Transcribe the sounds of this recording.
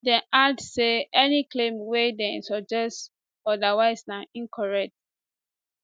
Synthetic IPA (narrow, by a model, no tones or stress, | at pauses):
dɛ̃ʔadseɛniklẽmwedɛ̃sɔd͡ʒɛst | ɔdawaɪznãĩnkʰɔɹɛk̚t̚